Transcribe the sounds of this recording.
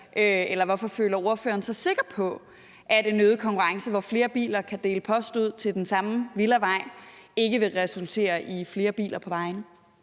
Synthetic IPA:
ʔøelɐʋɒfɒ̽fø̰ːlɐo̝ɐfø̰ːɐn̩sɑ̈ɪse̝ɡ̥ɐ̥pʰɒ̽ | ʔæd̥enːøːð̞̩ˠkʰɒ̽ŋkʰuʁɑ̈ŋsəʋɒfle̝ːɐb̥ḭːlɐkʰæd̥e̝ːləpʰɒ̽sd̥uð̞̰ˠt͡sʰe̝ld̥ensɑ̈mʋilɐʋɑ̈ɪ̰e̝ɡ̥əʋe̝ʁɛsult͡sʰe̝̰ːɐʔifle̝ːɐb̥ḭːlʔɐpʰɒ̽ʋɑ̈ɪnə

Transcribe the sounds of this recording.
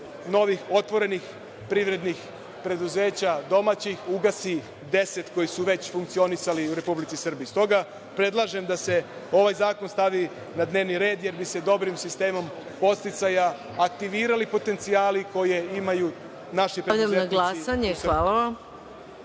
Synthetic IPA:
no̞ʋixo̞t̪ʋo̞ɾe̞nix | pɾiʋɾe̞d̪nix | pɾe̞d̪uze̞ːt͡ɕad̪o̞mat͡ɕixuɡasi | d̪e̞se̞t̪ko̞jisuʋe̞t͡ɕfuŋk̚t̪sio̞nisaliuɾe̞publit̪sisr̩biːst̪o̞ɡa | pɾe̞d̪lˠaʒe̞md̪ase̞o̞ʋajzaːko̞nst̪aʋi | nad̪ne̞ːʋniɾe̞ːd̪je̞ɾbise̞d̪o̞bɾimsist̪e̞ːmo̞m | po̞st̪it̪sajaː | kt̪iʋiːɾalipo̞t̪e̞nt̪siaːliko̞jeimaju | naʃipɾeʎamaɡlˠasaɲesaːlaʋam

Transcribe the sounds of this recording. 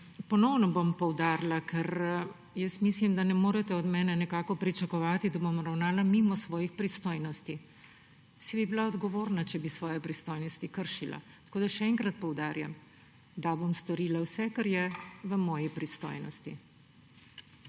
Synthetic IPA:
pɔnɔwnɔbompɔwd̪aːɾlakʰɛɾ | jəsmislimd̪anɛmoːɾɛt̪ɛɔd̪mɛːnɛnɛkaːkɔpɾit͡ʃakɔʋaːt̪id̪abomɾawnaːlamimɔsʋɔːjixpɾist̪oːjnɔst̪i | sibibilaɔd̪ɡɔʋoːɾnat͡ʃɛbisʋɔːjɛpɾist̪ojnɔst̪ikəɾʃila̰ | t̪ɐ̥koːd̪aʃɛɛŋkɾat̪̚pɔwd̪aːɾjam | d̪abomst̪ɔɾiːlawsɛkaɾjɛʋəmɔːjipɾist̪o̰ːjnɔst̪i

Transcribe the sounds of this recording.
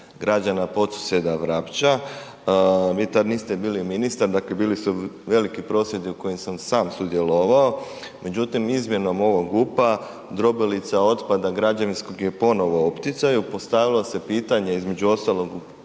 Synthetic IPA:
ɡɾad͡ʑanapo̞t̪su̥sed̪aʋɾapt͡ʃa | ʋiːt̪ad̪niːst̪ebiːliminist̪aɾd̪aːkle̞biːlisuʋe̞likipɾo̞sje̞d̪iuko̞jemsamsaːmsud̪je̞lo̞ʋao | me̞d͡ʑut̪imizmje̞no̞mo̞ʋoɡupa | d̪ɾo̞bilit̪sao̞t̪pad̪aɡɾad͡ʒaʋinsko̞ɡjepo̞no̞ʋo̞opt̪it̪sajupo̞st̪aʋilo̞se̞piːt̪aɲeizme̞d͡ʑuo̞st̪alˠo̞ɡu

